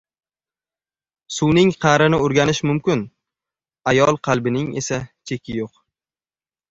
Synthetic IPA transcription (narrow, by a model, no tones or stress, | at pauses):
suwnɪŋqʰɑɾɪnɪoɾɡʲanɪʃmʊmkʲɪn | ajɒlˠqʰɑlˠbɪnɪŋe̞̰sat͡ʃʰe̞kʲʰɪjoq